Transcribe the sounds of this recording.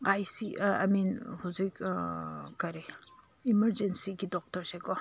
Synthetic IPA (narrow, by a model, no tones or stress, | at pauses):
ajsia̰minhuzik | kɐɾe | iməɾd͡ʒensiɡidɔk̚tɔɾsekɔ